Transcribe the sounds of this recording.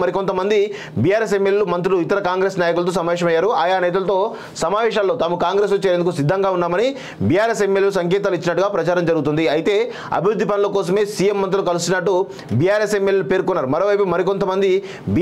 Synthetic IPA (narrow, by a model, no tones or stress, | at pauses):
mɐɾiko̞nt̪ɐmɐnd̪i | bijaːɾeːs̬emːeljelumɐnt̪ɾuluit̪ɐɾɐkaːŋɡɾe̞ːsnaːjɐkulɐt̪oːsɐmaːʋɛːʃɐmɐjːaːɾuaːjaːnɛːt̪̬ɐlɐt̪o̞ː | sɐmaːʋɛːʃaːlːoːt̪aːmukaːŋɡɾe̞ːs̬lot͡ʃːeːɾend̪ukusid̪ʱːɐŋɡaːunːaːmɐni | biːjaːɾes̬emːeljelus̬ɐŋk̬ɛːt̪̬aːluit͡ʃːinɐʈːuɡaːpɾɐt͡ʃaːɾɐmd͡ʒɐɾɡut̪̬und̪iɐjt̪e̞ː | ɐ̰bʱiɾud̪ʱːipɐnɐlɐkɔːs̬ɐme̞ːsiːjemːɐnt̪̬ɾulukɐlusunːɐʈːu | biːjaːɾe̞semːeljelupe̞ːɾkunːaːɾumɐɾoːʋɐjpumɐɾik̬o̞nt̪̬ɐmɐnd̪i | bi